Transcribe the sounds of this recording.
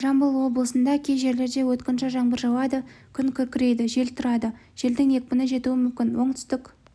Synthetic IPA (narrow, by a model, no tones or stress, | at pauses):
ʒɑmbəlˠwo̞blˠəsənd̪ɑkʲʰejʒe̞ɾle̞ɾd̪e̞wɵt̪kʲɪnʃɪʒɑɴbəɾʒɑwɑd̪əkʲʰʏŋkʲʰʏɾkʲɪɾe̞jd̪ɪʒe̞lt̪ʰʊɾɑd̪ə | ʒ̥e̞ld̪ɪŋje̞k̚pɪnəʒe̞t̪uɪmʏmkʲɪnwo̞ɴt̪ʰʏ̥st̪ɪkʲ